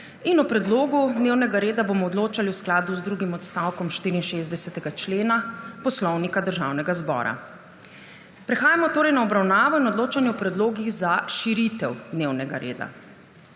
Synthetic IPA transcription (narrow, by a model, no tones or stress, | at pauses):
inupɾɛd̪loːɡud̪neːwnɛɡaɾeːd̪aboːmɔːd̪loːt͡ʃaliwsklaːd̪uzd̪ɾuɡimɔt̪st̪awkɔmʃt̪iːɾiinʃeːzd̪ɛsɛt̪ɛɡat͡ʃleːnapɔslɔwnikad̪əɾʒa̰ːwnɛɡazbɔ̰ːɾa̰ | pɾɛxaːjamɔt̪oːɾɛjnaɔbɾawnaːʋɔinɔd̪loːt͡ʃanjɛɔpɾɛd̪loːɡiɣzaʃiɾit̪ɛwd̪newnɛɡaɾʔḛːd̪a̰